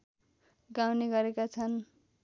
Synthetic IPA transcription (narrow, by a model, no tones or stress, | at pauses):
ɡawneɡʌɾekat͡sʰʌn